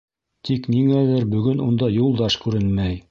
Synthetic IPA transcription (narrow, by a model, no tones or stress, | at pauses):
t̪ʰikniŋæðɘɾbɵ̆ɡɵnund̪ɑjulˠd̪ɑʃkʉɾɘnmæj